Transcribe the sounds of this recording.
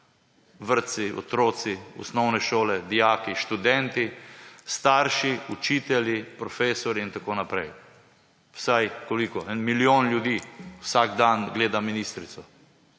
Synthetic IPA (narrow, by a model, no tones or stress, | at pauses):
ʋəɾt̪siɔ̰t̪ɾoːt̪siɔ̰snɔwnɛʃoːlɛd̪ijaːkiʃt̪ud̪ɛnt̪ist̪aːɾʃiut͡ʃiːt̪ɛljipɾɔfeːsɔɾiːnt̪akoːnapɾɛj | wsajkolikɔɛnmilioːnljud̪iːwsaɡd̪anɡleːd̪aminist̪ɾit̪sɔ